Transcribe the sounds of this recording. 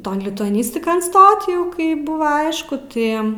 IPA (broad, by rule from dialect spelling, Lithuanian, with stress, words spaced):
ˈtoːn lʲɪtʊɐˈnʲɪsʲtʲɪkoːn ˈstoːt ˈjɛʊ kɐɪ ˈbʊʋɐ ˈɐɪʃkʊ ˈtɐɪ